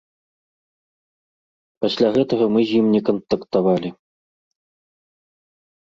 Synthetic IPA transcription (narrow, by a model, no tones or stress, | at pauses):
pasʲlʲaɣɛt̪ɐɣɐmɨzʲjimnʲɛkɐnt̪ɐkt̪avalʲi